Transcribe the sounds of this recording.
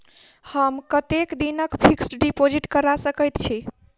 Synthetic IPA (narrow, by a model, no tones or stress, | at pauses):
həmkət̪ekd̪inəkpʰiksʈɖipod͡ʒiʈkəɾasəkəjt̪t͡ʃʰi